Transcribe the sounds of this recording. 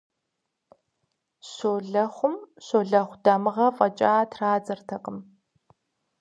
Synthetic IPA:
ɕoːɮɐχʷʊmɕoːɮɐχʷdɐmɨʁɐfʼɐt͡ʃʼaːtʰraːd͡zɐrtʰɐqʼəm

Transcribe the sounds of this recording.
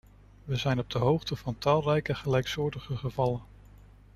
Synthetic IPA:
ʋəzɛjnɔb̚dəɦowχtəvɑntɑːlˠrɛjkəχəlɛjksʊːɹdəχəχəvɑlən

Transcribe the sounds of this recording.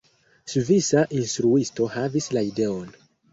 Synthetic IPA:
suvisaʔinstɾuisto̞havislaide̞o̞n

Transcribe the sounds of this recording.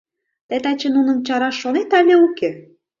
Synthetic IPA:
t̪et̪ɑt͡ɕenunə̆mt͡ɕɑɾɑʃːonet̪ɑlʲeuke

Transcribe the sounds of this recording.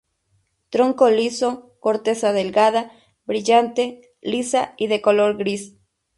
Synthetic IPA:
t̪ɾoŋkoliso̞koɾt̪e̞saðe̞lɡaða | bɾiʝant̪e | lisaiðe̞koloɾɡɾis

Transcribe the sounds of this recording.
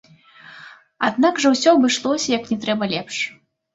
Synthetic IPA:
a̰d̪nakʐɐwsʲɔbɨʂlˠɔsʲɐjɐknʲɛt̪ɾɛbɐlʲɛpʂ

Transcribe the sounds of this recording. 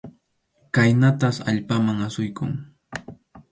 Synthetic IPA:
kajnat̪asa̰ʎpamaŋasʊjkʊŋ

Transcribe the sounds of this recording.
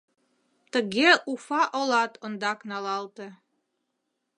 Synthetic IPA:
t̪ə̆ɣeʔufɑʔolɑt̪ŏnd̪ɑknɑlɑlt̪e

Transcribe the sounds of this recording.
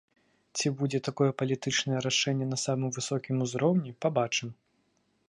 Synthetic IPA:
t͡sʲibud͡zʲɛt̪akɔjɛpɐlʲit̪ɨt͡ʂnɐjɛɾaʂɛnʲːɛnɐsamɨmvɨsɔkʲimuzɾɔwnʲipabat͡ʂɨm

